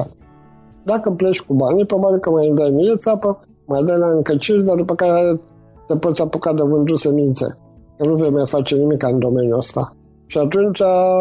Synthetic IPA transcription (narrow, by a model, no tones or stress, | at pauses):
d̪akəplet͡ʃʲkubanipɾobabʲilkəmajɨnd̪ajmijet̪sapə | majd̪əlaɨŋkət͡ʃiɾʲd̪ard̪upəkaɾeɾe | t̪epo̞t̪sʲapukad̪əvɨnd̪usemint̪sḛ | kənuve̞jmajfat͡ʃe̞nimikaɨnd̪o̞me̞njuəst̪a̰ | ʃiat̪unt͡ʃa